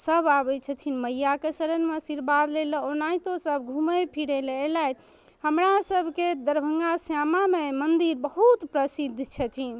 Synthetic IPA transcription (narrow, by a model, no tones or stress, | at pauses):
səbabɛt͡ʃʰət̪ʰinməjakesəɾənmesiɾbad̪lelonat̪osəbʱɡʱuməpʰiɽelelɛt̪ | həmɾasəbʱked̪əɾbʱəŋɡasjamamemənd̪iɾbəɦut̪pɾəsid̪ʱt͡ʃʰət̪ʰin